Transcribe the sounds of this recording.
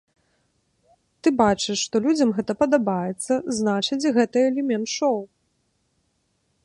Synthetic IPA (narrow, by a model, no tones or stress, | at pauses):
t̪ɨbat͡ʂɨʂʂt̪ɔlʲud͡zʲɐmɣɛt̪ɐpɐd̪abajɛt̪sːɐznat͡ʂɨt͡sʲɣɛt̪ɨɛlʲɛmʲɛnt̪ʂɔw